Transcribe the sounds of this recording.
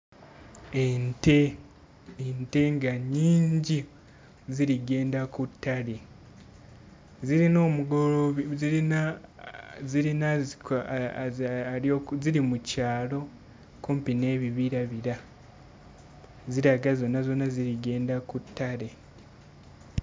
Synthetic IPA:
nteː | nte̞ŋɡaɲiːɲɟi | ziɾiɡe̞ːndakutːaɾe̞ | ziɾino̞ːmuɡoloziɾina | ziɾina | okziɾimucaːlo̞ | kumpine̞ːβiβiɾaβiɾa | ziɾaɡazo̞nːazo̞naziɾiɡe̞ːndakutʰːaɾe̞

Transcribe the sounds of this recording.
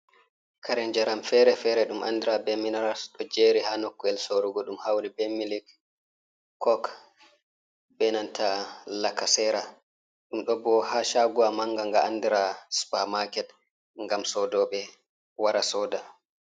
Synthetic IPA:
kʰaɾɛnd͡ʒɛɾamfɛɾɛfɛɾɛɗumʔa̰ndiɾabɛminaɾasɗɔd͡ʒeːɾihanokːɔɛlsoɾuɡɔɗumhawlibɛmilik | kːɔk | bɛnantʰalakːasɛɾa | ɗumɗɔbɔhaːʃaɡuamaŋɡaŋɡaandiɾaspamakɛt | ŋɡamsɔdɔɓɛ | waɾasɔːda

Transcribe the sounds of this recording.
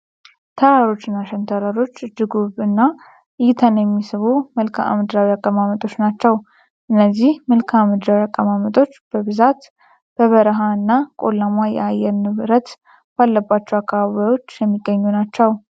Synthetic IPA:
t̪ʰəɾaɾo̞t͡ʃːɨnːaʃɛnt̪ʰəɾaɾo̞t͡ʃːd̪ɨɡuβɨnːa | ɨjt̪ʰənjɛmːisɨβumɨlkʰaa̰mɨd̪ɾawiakʼːəmamət̪ʼo̞t͡ʃːnat͡ʃːɛw | ʔɨnːəzːihmɨlkʰaamɨd̪ɾawiakʼːəmamət̪ʼo̞t͡ʃːb̥əβɨzat̪ | b̥əβəɾəɦaɨnːakʼo̰lːamwajɛ̰ajɛɾnɨβɾət̪ | b̥alːəbːat͡ʃːɛwakːaβaβajo̞t͡ʃːjɛmːiɡːəɲːunat͡ʃːɛw

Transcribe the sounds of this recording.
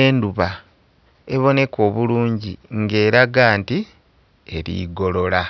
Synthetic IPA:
eːnduβa | e̞βo̞ne̞ko̞ːβuluːɲɟiŋɡe̞ːɾaɡaːnti | e̞ɾḭɡo̞lo̞la

